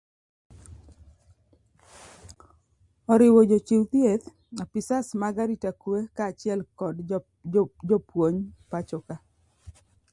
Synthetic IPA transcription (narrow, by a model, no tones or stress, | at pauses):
ɔɾɪwɔd͡ʒot͡ʃɪwt̪jet̪ | apisasmaɡaɾitakwekaːt͡ʃɪɛlkɔd | d͡ʒɔpwoɲpat͡ʃɔka